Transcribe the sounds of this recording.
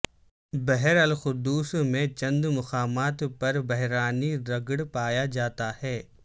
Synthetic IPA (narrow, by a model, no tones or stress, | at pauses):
bɛɦɛɾɐlxʊd̪uːsmẽt͡ʃɐ̃nd̪mʊxaːmaːt̪pɐɾbɛɦɾaːniɾɐɡɽpaːjad͡ʒaːt̪ahɛː